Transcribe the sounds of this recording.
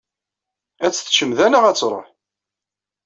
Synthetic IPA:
æt͡sːθʃəmðænaʁæt͡sːɾˤə̰ħ

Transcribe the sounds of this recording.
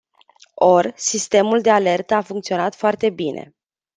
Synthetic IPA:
o̞rsist̪e̞muld̪e̞ale̞rt̪əafuŋkt̪sio̞nat̪foart̪e̞binʔe̞̰

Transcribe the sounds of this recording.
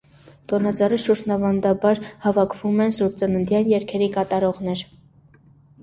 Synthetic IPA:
t̪ɔnɑd͡zɑriʃuɾʃnɑvɑnd̪ɑbɑɾhɑvɑkʰvumɛnsuɾt͡sənənd̪jɑnjɛɾkʰɛɾikɑt̪ɑɾɔʁnɛɾ

